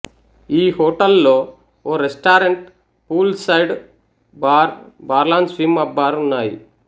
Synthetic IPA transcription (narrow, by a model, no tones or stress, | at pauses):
iːhoːʈɐlːoː | oːɾesʈaːɾeɳʈ | puːlsɐjɖ | baːɾbaːɾlaːnspimɐbːaːɾunːaːjḭ